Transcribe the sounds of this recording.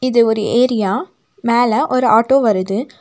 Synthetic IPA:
ɪðɯɔɾɯeːɾɪjaː | meːlɐʔɔɾɯaːʈːoːʋɐɾɯðɯ

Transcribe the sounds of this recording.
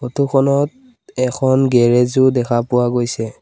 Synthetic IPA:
otukʰɔnɔt̚ | ɛkʰɔnɡɛɹɛzʊdɛkʰapʊwaɡojsɛ

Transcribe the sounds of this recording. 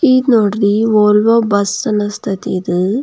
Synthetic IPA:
it̪noɖɾiʋoːlʋobɐsːɐnɐst̪ʰɐt̪id̪ɯ

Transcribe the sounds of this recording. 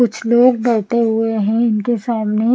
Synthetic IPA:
ʊt͡ʃʰloːɡ̚bɛːt̪eɦʊeɦɛ̃ɪnkesaːmne

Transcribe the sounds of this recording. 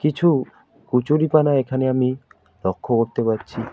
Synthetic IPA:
kit͡ɕʰu | kut͡ɕuɾipanaekʰaneami | ɾɔkʰːokoɾt̪epaɾt͡ɕʰi

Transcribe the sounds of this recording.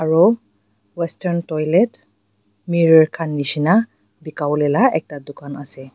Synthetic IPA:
aɹo | wɛstɛɹntɔjlɛt | miɹɔɹkʰanːisina | bikawlɛlaʔɛk̚tadʊkanasɛ

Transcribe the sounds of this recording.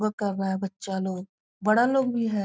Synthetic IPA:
ɡkɐɾːaɦɛbɐtːʃaloːɡ | bɐɽaloːɡbʱiɦɛː

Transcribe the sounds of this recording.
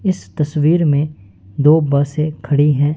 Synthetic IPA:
ɪst̪ɐswiːɾmẽ | d̪oːbɐːsekʰɐɽiɦɛ̃ː

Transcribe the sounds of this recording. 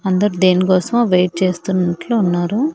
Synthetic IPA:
ɐnd̪ɐɾud̪eːnikɔːsɐmoʋejʈ̚t͡ʃe̞ːst̪unːɐʈloːunːaːɾu

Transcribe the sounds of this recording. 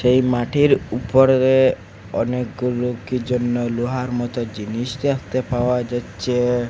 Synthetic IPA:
ʃejmaʈʰiɾupɔɾɾe | ɔnekɡulukid͡ʒɔnːɔluɦaɾmɔt̪ɔd͡ʒinist̪iast̪epaoad͡ʒat͡ʃʰe

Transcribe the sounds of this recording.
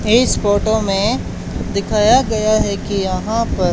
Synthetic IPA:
eːsfoːʈomẽ | d̪ɪkʰaːjaɡɐjaɦɛkijɐɦãpɐɾ

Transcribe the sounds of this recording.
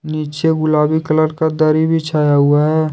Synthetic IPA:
niːt͡ʃeɡʊlaːbikələɾkad̪əɾibʱit͡ʃʰaːjaɦʊaɦɛː

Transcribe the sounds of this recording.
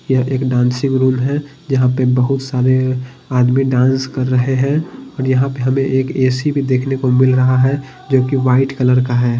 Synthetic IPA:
jəɦeːkɖãːnsɪkɾuːmɦɛ̃ | d͡ʒɐɦãpebəɦʊt̪saːɾe | aːd̪miɖãːnskɐɾːəɦeɦɛ̃ɔːɾjɐɦãpeɦɐmẽʔeːkeːsibʱid̪eːkʰnekomɪlɾɐɦaɦɛ | d͡ʒoːkiʋaːɪʈkɐləɾkaɦɛː

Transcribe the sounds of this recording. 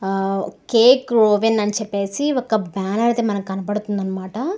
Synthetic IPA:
keːkɾoːʋenɐnit͡ʃɛpːe̞ːsiɔkːɐbaːnɐɾt̪eːmɐnɐmkɐnɐpɐɽut̪und̪ɐnːɐmaːʈɐ

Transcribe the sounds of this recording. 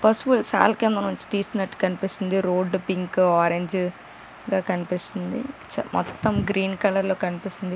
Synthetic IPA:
pɐɾsʋulsa̰ːlkend̪ɐnoɲt͡ʃi̥t̪iːskunɐʈːu̥kɐnipist̪ind̪iɾoːɖpiŋkaːɾeɲd͡ʒ | ɡaːkɐnipist̪ind̪ḭt͡ʃmɔ̰t̪ːɐmɡɾiːnkɐlɐɾlo̞ːkɐnipist̪ind̪i

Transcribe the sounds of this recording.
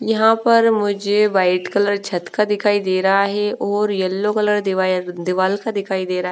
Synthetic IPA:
jɐɦãpəɾmʊd͡ʒeʋaːɪʈkələɾt͡ʃʰɐt̪kad̪ɪkʰaːid̪eːɾaɦɛʔɔːɾjəlːokələɾd̪ɪʋaːlkad̪ɪkʰaːid̪eːɾaːɦ

